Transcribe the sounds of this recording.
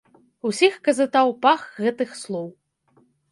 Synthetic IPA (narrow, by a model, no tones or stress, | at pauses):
usʲixkɐzɨt̪awpaxɣɛt̪ɨxslˠɔw